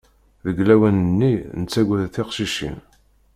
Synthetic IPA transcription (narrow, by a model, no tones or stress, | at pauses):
ðəɡlæwænənːinət͡sːæɡʷæðθɪqʃiʃḭm